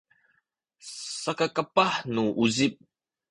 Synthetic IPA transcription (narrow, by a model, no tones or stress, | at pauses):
sakakapaħnuʔuzip̚